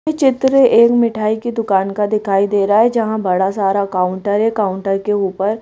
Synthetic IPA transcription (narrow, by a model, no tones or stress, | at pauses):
et͡ʃɪt̪ɾeʔeːkmɪʈʰaːikid̪ʊkaːnkad̪ɪkʰaːid̪eːɾaɦɛd͡ʒɐɦãbɐɽasaːɾakaːʊ̃ɳʈəɾɦɛkaːʊ̃ɳʈəɾkeuːpəɾ